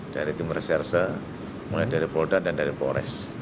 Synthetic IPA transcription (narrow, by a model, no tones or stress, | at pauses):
d̥aɾit̪imərsɛrsə | mulajdaɾipɔdadandaɾipoɾɛ̰s